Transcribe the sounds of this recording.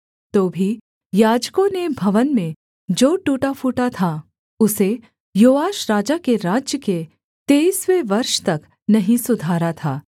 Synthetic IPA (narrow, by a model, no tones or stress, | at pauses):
t̪oːbʱi | jaːd͡ʒkõnebʱɐʋənmẽ | d͡ʒoːʈuːʈafuːʈat̪ʰa | ʊse | joːʋaːʃɾaːd͡ʒakeɾaːd͡ʒjəke | t̪eːisʋeʋɐɾʃt̪ɐk | nɐɦĩsʊd̪ʱaːɾat̪ʰaː